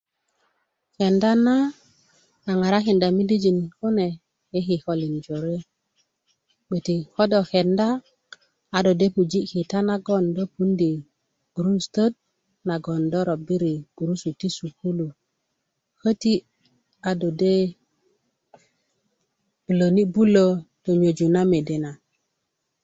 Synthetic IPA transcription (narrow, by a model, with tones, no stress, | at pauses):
ke˨nda˦na˦ | a˨ŋa˨ɾa˦ki˨nda˨mi˦li˦d͡ʒi˨nko˦ne˨ | e˦ɦi˨ko˨li˨nd͡ʒo˨ɾe˦ | ɓe˨ti˨ko˦do˨ke˨nda˦ | a˨do˨de˦pu˨d͡ʒi˦ki˨ta˦na˦ɡo˦ndo˦pu˦ndi˨ | ɡ̥u˨ɾu˦stə˦d̚ | na˨ɡo˨ndo˦ɾo˨bi˦ɾi˨ɡ̥u˨ɾu˦su˨ti˦su˨ku˦lu˨ | kə˦ti˦ | a˨do˨de˦ | b̥u˨lo˨ni˦bu˦lo˦to˨ɲo˨d͡ʒu˨na˦me˨de˨na˨